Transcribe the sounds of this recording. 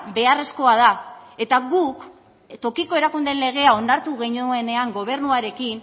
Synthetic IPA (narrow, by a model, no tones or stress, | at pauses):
be̞are̞sko̞að̞ae̞t̪aɣuk | t̪o̞kiko̞e̞ɾakund̪e̞nle̞ɣ̞e̞ao̞naɾt̪uɣeɲoene̞aŋɡo̞β̞e̞ɾnuaɾe̞kin